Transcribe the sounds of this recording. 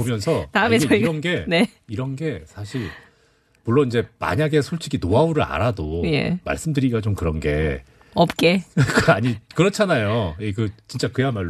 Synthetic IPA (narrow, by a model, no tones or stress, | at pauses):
pomjʌnsʰʌt̪aɯeɡeiɾʌnɡe̞ne | iɾʌnɡe̞sʰaɕʰiɾ | muɭːoniɲd͡ʑe̞ma̰ɲaɡe̞sʰoɭt͡ɕʰiɡinoauɾɯɾa̰ɾadoje̞̰ma̰ɭs͈ɯmdɯɾiɡat͡ɕomkɯɾʌnɡe̞̰ | ʌp̚k͈ekɯaɲikɯɾʌt͡ɕʰanajoek̬ɯt͡ɕint͡ɕ͈akɯjamaɭː